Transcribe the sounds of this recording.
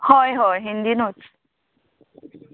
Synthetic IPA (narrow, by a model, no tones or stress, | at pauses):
hɔjɦɔjɦind̪inot͡ʃ